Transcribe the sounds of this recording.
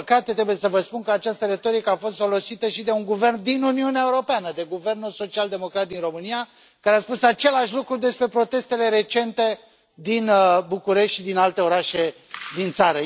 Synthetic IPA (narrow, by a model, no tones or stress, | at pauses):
kat̪et̪ɾe̞buje̞səvəspunkəat͡ʃast̪əɾe̞t̪o̞ɾikəafo̞st̪fo̞lo̞sit̪əʃid̪e̞uŋɡuve̞rnd̪inuniuneaeuɾo̞peanəd̪e̞ɡuve̞rnuso̞t͡ʃiald̪e̞mo̞kɾat̪̚d̪inro̞mɨnija | kaɾeaspusat͡ʃe̞laʃlukɾud̪e̞spɾe̞pɾo̞t̪e̞st̪e̞le̞ɾe̞t͡ʃe̞nt̪e̞ | d̪inbukuɾe̞ʃt̪ʃd̪inalt̪e̞o̞ɾaʃe̞d̪int̪saɾə